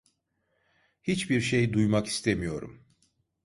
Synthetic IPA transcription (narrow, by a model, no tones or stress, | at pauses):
hit͡ʃbiɾʃejd̪ujmaki̥st̪ʰemijo̞ɾṵm